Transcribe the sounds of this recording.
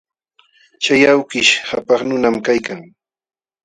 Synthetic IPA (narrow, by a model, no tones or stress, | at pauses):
t͡ʃajawkɪʃhapɑχnʊnamkajkaŋ